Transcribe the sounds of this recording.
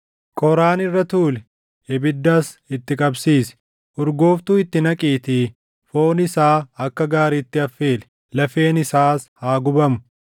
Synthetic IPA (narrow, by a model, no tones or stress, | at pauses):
kʼɔɾaːnɪrːɐt̪uːlɛ | ɛbɪd̪ːaːs | ɪt̪ːɪkʼɐbsiːsɛ̥ | ʔʊɾɡoːft̪uːɪt̪ːɪnɐkʼiːt̪iː | foːnɪsaːɐkːɐɡaːɾiːt̪ːɪɐfːe̞ːlɛ̥ | lɐfe̞ːnɪsaːshaːɡʊbɐmʊ̥